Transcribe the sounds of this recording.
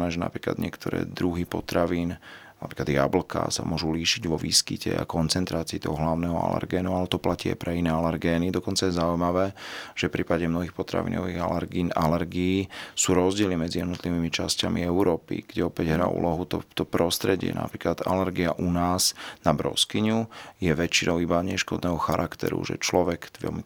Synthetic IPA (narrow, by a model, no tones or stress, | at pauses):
nɛːʒɛna̰pɾiːkla̰d̪ɲɪɛkt̪ɔɾɛ̰ːd̪ɾuɦipɔt̪ɾaʋiːn | na̰pɾiːklad̪ja̰bl̩ka̰sa̰mʊɔʒuliːʃiɟʋɔʋḭskicɛa̰kɔnt͡sɛnt̪ɾaːt͡siːt̪ɔɦɔɦlaʊnɛːɦɔa̰lɛ̰ɾɡɛːnualɛt̪ɔplaciːa̰jpɾʔɛinɛːalɛɾɡɛːnid̪ɔkɔnt͡sajɛzaujmaʋɛːʒ̥ɛfpɾiːpaɟɛmnɔɦixpɔt̪ɾa̰ʋḭnɔʋiɣainalɛɾɡiːsuːɾɔzɟɪɛlimɛd͡zijɛd̪nɔt̪liʋiːmit͡ʃascamiɛuɾɔːpḭɡ̥ɟɛɔpɛɟɦɾa̰ːʔṵlʔɔɦut̪ɔ̰t̪ɔpɾɔst̪ɾɛɟɪɛ̰na̰pɾiːklad̪a̰lɛɾɡiaʔunaːz̥nabɾɔ̰skiɲujɛʋɛt͡ʃinʔɔʊibaɲɛʃkɔd̪nɛːɦɔxaɾʔakt̪ɛ̰ɾṵʒɛ̰t͡ʃlɔʋɛkʋɛ̰lmi